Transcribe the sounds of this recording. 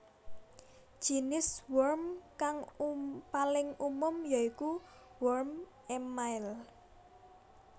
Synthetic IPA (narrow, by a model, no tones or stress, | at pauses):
ʒ̥inɪswɔrmkaŋpalɪŋumʊmjaiku | wɔrm | ɛmaɪl